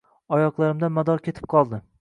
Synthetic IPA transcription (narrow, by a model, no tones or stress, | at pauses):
ɒjɒqlˠaɾɪmd̪anmad̪ɒɾkʲe̞t̪ʰɪ̥p̚qʰɒlˠd̪ɪ